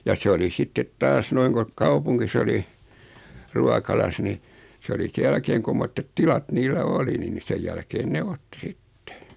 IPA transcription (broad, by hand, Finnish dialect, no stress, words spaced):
jɑ se oli sitːet tɑːs noiŋ ko kɑupuŋkis oli ruɑkɑlɑs ni s oli se jælkeːŋ kumːotːet tilɑt niːlːæ oli niːn ni sej jælkeːn ne otːi sitːe̥